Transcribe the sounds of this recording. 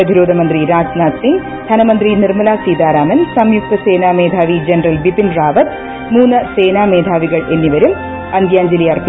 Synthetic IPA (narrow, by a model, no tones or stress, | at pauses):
ɐd̪ʱiɾoːd̪ʱɐmɐnd̪riɾaːd͡ʑnaːt̪siŋɡ | d̪ʱɐnɐmɐnd̪rinirmɐlaːsiːd̪aːɾaːmɐnsɐmjuk̚t̪ɐseːnaːmeːd̪ʱaːʋid͡ʑɐnɐrɐlʋipinraːʋɐt̪ | muːnːɐseːnaːmeːd̪ʱaːʋiɣɐɭenːiʋɐɾum | ɐnd̪jaːɲd͡ʑɐlijɐrpː